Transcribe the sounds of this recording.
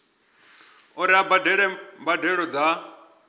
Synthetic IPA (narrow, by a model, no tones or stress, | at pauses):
uɾiabadɛɺɛmbadɛɺɔd͡za